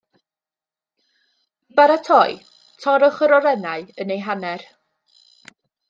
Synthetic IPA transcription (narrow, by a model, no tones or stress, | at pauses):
b̥aɾatʰɔj | tʰɔɾəχəɾɔɾɛnaɨənejɦanɛr